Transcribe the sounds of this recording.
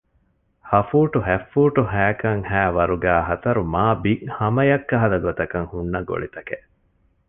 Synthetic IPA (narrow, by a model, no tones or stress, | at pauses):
hɐfuːʈuɦæfːuːʈuɦæːkɐŋhæːʋɐɾuɡæːɦɐt̪ɐɾumaːbiʔhɐmɐjɐkːɐɦɐd̪ɐɡot̪ɐkɐŋhunːɐɡo̰ɭit̪ɐkeʔ